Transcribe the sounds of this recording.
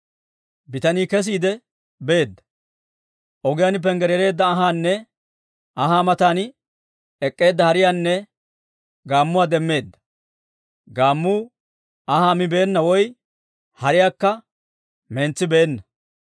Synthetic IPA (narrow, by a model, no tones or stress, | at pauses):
bɪt̪ɐniːkɛs̬iːd̪ɛ | beːd̪ːɐ̥ | ʔɔɡɪjaːnɪp̬ɛŋɡɛɾjɛɾe̞ːd̪ːɐːɦaːnːɛ | ɐɦaːmɐt̪aːn | ɛkʼːe̞ːd̪ːɐhɐɾɪjaːnːɛ | ɡaːmːʊwaːd̪ɛmːe̞ːd̪ːɐ̥ | ɡaːmːuː | ɐhaːmɪbe̞ːnːɐwɔj | hɐɾɪjaːkːɐ | mɛnt͡sːɪbeːnːɐ